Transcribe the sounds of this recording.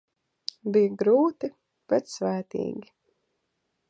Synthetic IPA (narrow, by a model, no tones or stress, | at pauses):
bijaɡɾuːt̪i | b̥ɛt̪svæːt̪ḭːɡʲi